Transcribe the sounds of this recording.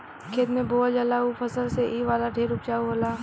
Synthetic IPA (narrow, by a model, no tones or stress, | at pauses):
kʰeːd̪mẽboːld͡ʒəlaːupʰəsəlseʔiːʋaːlaɖʱeːɾʊpt͡ʃaːuɦoːlaː